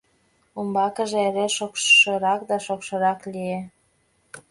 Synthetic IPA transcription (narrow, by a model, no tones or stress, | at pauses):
umbɑkəʒeeɾeʃokʃəɾɑkd̪ɑʃokʃɤɾɑklie